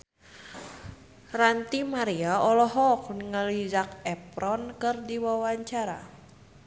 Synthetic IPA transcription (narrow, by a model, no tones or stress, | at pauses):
rant̪imaɾiaɔlɔɦɔk̚niŋəlid͡ʒak̚ɛpɾɔnkɨrdiwawaɲt͡ʃaɾa̰